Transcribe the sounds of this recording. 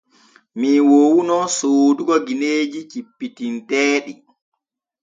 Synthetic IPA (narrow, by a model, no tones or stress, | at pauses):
miwowunɔsoːduɡɔɡineːd͡ʒit͡ʃipːitintɛːɗi